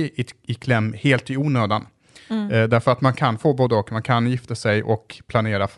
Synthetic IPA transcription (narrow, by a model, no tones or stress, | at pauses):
ɪɪkʰlɛmːheːlt̪ɪuːnøːd̪an | d̪æɾfœɾat̪mankʰanfoːboːd̪ɔkmankʰanjɪft̪asɛjʔɔkpʰlaneːɾaf